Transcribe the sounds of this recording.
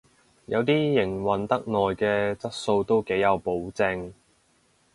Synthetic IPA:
jɐ˨˧wt̪iː˥jɪ˨˩ŋwɐ˨˩nt̪ɐ˥k̚nɔː˨jkɛː˧t͡sɐ˥t̚so˧wt̪o˥wke˨˥jɐ˨˧wpo˨˥wt͡sɪ˧ŋ

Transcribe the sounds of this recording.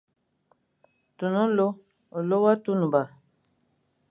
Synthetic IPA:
tu˨nũ˦lo˦ | o˨lo˦wa˦tu˦nũ˨ba˨

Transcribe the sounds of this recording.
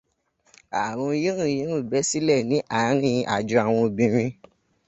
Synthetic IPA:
a˨w̃ɔ̃˧ji˦ɾ̃ũ˦˨jĩ˨˦ɾũ˦˨bɛ˨˦si˦lɛ˦˨nĩ˨˦ʔa˦˨˦ɾ̃ĩ˦˧ʔa˨d͡ʒu˧˦a˨w̃ɔ̃˧˨bĩ˧ɾ̃ĩ˧

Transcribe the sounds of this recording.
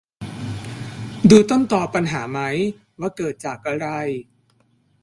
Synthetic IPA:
duː˧t̪o˥˩nt̪ɔː˨˩pa˧nɦaː˩˦ma˦˥j | waː˧˥˩kɤː˨˩t̪̚t͡ɕaː˨˩k̚ːa˧ɾa˧j

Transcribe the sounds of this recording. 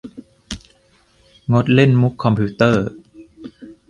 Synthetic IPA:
ŋo˦˥t̪̚le˥˩nmu˦˥kʰːɔ˧mpʰuː˦˥t̪ɤː˥˩

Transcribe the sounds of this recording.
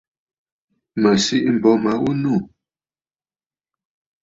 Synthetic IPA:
mə˨si˦ʔm̩˨bɔ˨˦ma˨˦wu˦nu˦˨

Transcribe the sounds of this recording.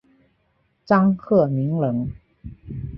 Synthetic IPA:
t͡sɑ˥ŋkʰɤ˥˩mi˧˥ŋlɤ˧˥ŋ

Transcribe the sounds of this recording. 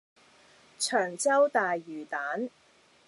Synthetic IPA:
t͡ʃʰœː˨˩ŋt͡sɐ˥wt̪aː˨jːyː˨˩t̪aː˨˥n

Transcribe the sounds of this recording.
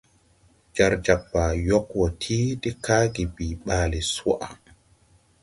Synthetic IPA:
d͡ʒaɾd͡ʒa˨bːa˨jɔ˦kwɔtʰiː˦ti˦kaː˦ɡi˨biːɓaːlɛ˨sɔ˦ʔa˨

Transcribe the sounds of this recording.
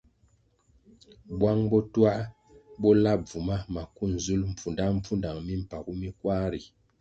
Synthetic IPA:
bwa˦ŋbɔ˦twa˦ʔ | bɔ˦la˦p̚b͡vu˨ma˦ma˨ku˦n̩˨zu˦lm̩˨p͡fu˨nda˦m̩˦p͡fu˦nda˨ŋmi˦m̩˨pa˨ku˦mi˦kwa˦ɾi˨

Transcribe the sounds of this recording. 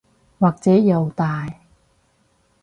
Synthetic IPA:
waː˨k̚t͡sɛː˨˥jɐ˨˧wt̪aː˨j

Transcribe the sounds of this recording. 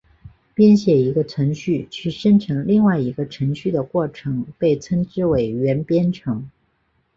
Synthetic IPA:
pjɛ˥nɕjɛ˨˩i˧˥ɡə˧t͡sʰwə˧˥ŋɕy˥˩t͡ɕʰy˥˩ʂə˥nʈ͡ʂʰɤ˧˥ŋli˥˧ŋwa˥˩ɪi˧˥ɡə˧ʈ͡ʂʰɤ˧˥ŋɕy˥˩d̪ə˩kwɔ˥˩ʈ͡ʂʰɤ˧˥ŋpe˥˩ɪt͡sʰə˥nʈ͡ʂɻ̩˥we˨˩ɪɥɛ˧˥npjɛ˥nʈ͡ʂʰɤ˧˥ŋ

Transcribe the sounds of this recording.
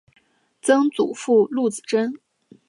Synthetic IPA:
t͡sɤ˥ŋt͡su˨˩fu˥˧lu˥˩t͡sɹ̩˨˩ʈ͡ʂə˥n

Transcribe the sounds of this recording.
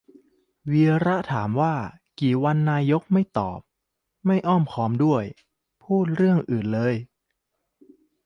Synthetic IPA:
wiː˧ɾa˦˥t̪ʰaː˩˦mwaː˥˩ | kiː˨˩wa˧nːaː˧jo˦˥k̚ma˥˩jt̪ɔ̰ː˨˩p̚ | ma˥˩jʔɔː˥˩mkʰɔː˦˥mdu˥˩əj | pʰuː˥˩t̪̚ɾɯ˥˩əŋʔɯː˨˩nlɤː˧j

